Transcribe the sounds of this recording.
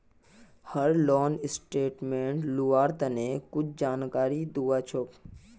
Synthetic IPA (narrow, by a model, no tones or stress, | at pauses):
həɾlɔːnɪsʈeːʈmẽːɳʈluaːɾt̪ənekʊt͡ʃʰd͡ʒaːnkaːɾid̪uːat͡ʃʰok